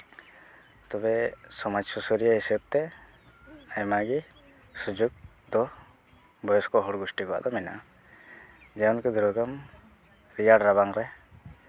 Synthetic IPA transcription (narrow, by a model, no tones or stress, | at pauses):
t̪ɔbɛsɔmad͡ʒsusɔɾijaɦisəb̚t̪ɛ | ajmaɡi | sud͡ʒuɡ̚ | d̪ɔ | bɔjɔskɔɦɔɽɡusʈikɔa̰ʔd̪ɔmɛna̰ | d͡ʒaɔnkɛd̪ʱuɾɔɡam | ɾijaɽɾabaŋɾɛ